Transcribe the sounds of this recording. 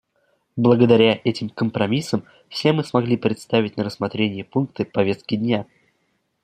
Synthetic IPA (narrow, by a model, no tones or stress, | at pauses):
blˠəɡəd̪ɐɾʲaʔɛtʲɪmkəmpɾɐmʲisəm | fsʲe̞mɨsmɐɡlʲipɾʲɪt̪st̪avʲɪtʲnəɾəsmɐt̪ɾʲenʲɪjəpunk̚t̪ɨpɐvʲe̞st̪̚kʲɪdʲnʲa